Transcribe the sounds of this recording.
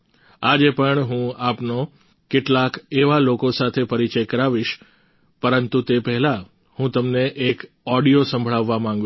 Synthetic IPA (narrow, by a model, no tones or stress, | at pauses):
ad͡ʒepəɳɦũapno | keʈlakeʋalokosat̪ʰepəɾit͡ʃəjkəɾaʋiʃ | pəɾənt̪ut̪epɛɦɛla | hũt̪əmneʔek | ɔɽijosə̃mbʱəɭaʋːamãŋ̆ɡ